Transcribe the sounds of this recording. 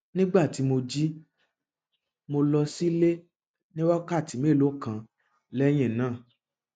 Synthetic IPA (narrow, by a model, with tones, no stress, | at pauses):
nĩ˦ɡ͡ba˦˨ti˨˦mo˧d͡ʒi˦ | mo˧lɔ˧si˦le˦ | nĩ˦wɔ˦ka˦˨ti˨˦me˦˨lo˨˦˨kã˧ | lɛ˦j̃ɛ̃˦˨nãː˦˨